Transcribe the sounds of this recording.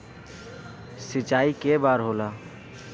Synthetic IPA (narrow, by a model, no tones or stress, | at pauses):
sɪt͡ʃaːikebaːɾɦoːlaː